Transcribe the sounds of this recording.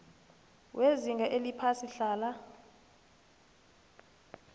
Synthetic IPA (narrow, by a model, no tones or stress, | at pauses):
wʔeziŋɡʱaʔelipʰasiɬaːla